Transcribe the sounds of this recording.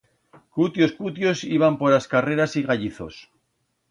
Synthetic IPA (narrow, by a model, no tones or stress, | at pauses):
kut̪jo̞skut̪jo̞siβampo̞ɾaskare̞ɾasiɣaʎiθo̞̰s